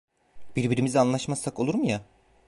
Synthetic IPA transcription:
b̥iɾbiɾimizianlˠaʃmasako̞lˠuɾmja

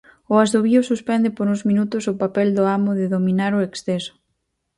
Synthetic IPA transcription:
ʊazðoβiʊsuspɛnd̪ɪpoɾũŋzmĩnut̪ʊsʊpapɛld̪ʊamʊðɪðomĩnaɾʊeksθɛsʊ̥

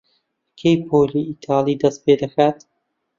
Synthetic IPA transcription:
kʰejpʰoːliːit̪ʰɑːlˠiːd̪ɐst̪̚peːd̪ɐxaːt̪

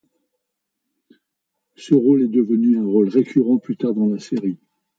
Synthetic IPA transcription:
səʁolɛd̪əvənyɛ̃ʁolʁekʰʲyʁɑ̃plyt̪aʁd̪ɑ̃laseʁi

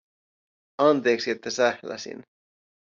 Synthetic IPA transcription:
ɑnt̪e̞ːksiet̪ːæsæhlæ̰sḭn

